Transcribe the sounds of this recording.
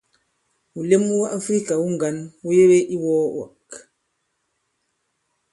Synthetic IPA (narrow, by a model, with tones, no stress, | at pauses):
wu˨le˦mwu˦wa˦ʔa˦fɾi˦ka˨wu˦ŋ˨ɡa˨nwu˦je˦we˦ʔi˦wɔː˦wa̰˨k